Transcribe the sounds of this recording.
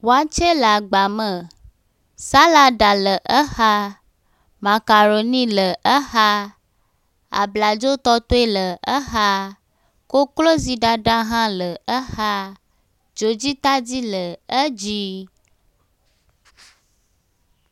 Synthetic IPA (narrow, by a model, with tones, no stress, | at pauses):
wo˨a˨t͡ʃe˦la˨ɡ͡ba˨mə˨ | sa˦la˨ɖa˨lə˨ʔə˦ha˦ | mã˨ka˨ɾo˨nĩ˦lə˨ʔə˦ha˦ | a̰˨bla˨d͡ʒo˦t̪ɔ˦t̪o˦e˦lə˨ə˦ɦa˦ | ko˦klo˦zi˨ɖa˨ɖa˦ɦã˦lə˨ə˦ha˦ | d͡ʒo˨d͡ʑi˦t̪a˦d͡ʑi˦lə˨ə˦d͡ʒi˦